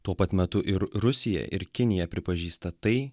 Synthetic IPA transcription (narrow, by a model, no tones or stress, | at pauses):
t̪uɔpɐt̪mʲɛt̪ʊʔɪɾɾʊsʲɪjɛ̰ʔɪ̰ɾkʲɪnʲɪjɛpʲɾʲɪpɐʒʲiːst̪ɐt̪ɐɪ